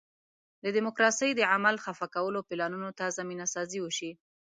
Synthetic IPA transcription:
d̪əd̪ɪmokɾɑsəjd̪əʕamalxafakawəlopɪlɑnunot̪azaminasɑziwəʃi

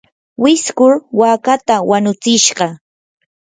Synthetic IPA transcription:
wɪskʊɾwaːkat̪awanʊt͡sɪʃɢɑ

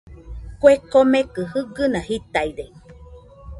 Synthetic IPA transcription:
kʷekomekɨhɨɡɨnãhit̪aiɾe

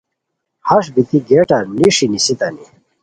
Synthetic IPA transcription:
hɐʂbit̪iɡeːʈaniʂinisit̪ɐni

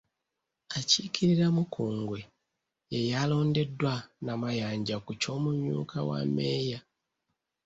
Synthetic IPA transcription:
acicʰiɾiɾamukʰuːŋɡwe̞ | jejalo̞ːnde̞dwanamajaːɲɟakuco̞ːmumṵːkawa̰me̞ːja

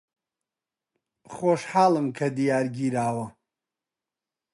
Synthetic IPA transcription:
χɔʃħaːləmkʰɐd̪ijaːɾɡʲiɾaːwɐ

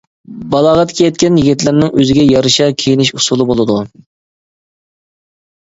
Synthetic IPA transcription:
bɑlˠɑʁɑt̪kʲʰijɛt̪̚ʲkʲɛnjiɡʲit̪lɪɾnɪŋøzɪɡʲɛjɑɾɨʃɑkʲʰejinɪʃusulˠɨbolˠɨd̪u

